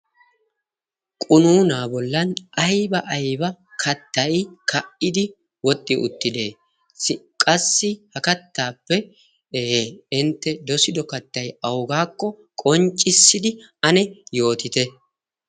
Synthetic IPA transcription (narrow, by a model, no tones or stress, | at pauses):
kʼʊnuːnaːbɔlːɐnʔɐjbɐʔɐjbɐ | kʰɐt̪ːɐjkʰɐʔɪd̪ɪ | wɔt̪ʼːɪʔʊt̪ːɪd̪e̞ː | kʼɐsːɪhɐkɐt̪ːaːpːɛ | ɪnt̪ːɛd̪ɔsɪd̪ɔkɐt̪ːɐjɐwɡaːkːɔ | kʼɔnt͡ʃʼːɪsːɪd̪ɪ | ɐnɛjo̞ːt̪ɪt̪ɛ